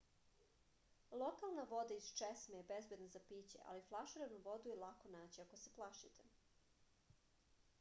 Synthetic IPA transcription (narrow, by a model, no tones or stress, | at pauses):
lˠokalˠnaʋo̞d̪aizt͡ʃesmejebezbje̞d̪nazapit͡ɕḛʔa̰liflˠaʃɾeʋnuʋo̞d̪ujelˠakonaːt͡ɕiako̞seplˠaʃit̪ʰe